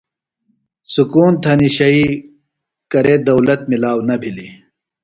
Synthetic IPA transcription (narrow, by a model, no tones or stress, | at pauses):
sukuːnt̪ʰɐniɕɐi | kɐɾeːd̪ɐwlɐt̪̚milaːwnɐbʱili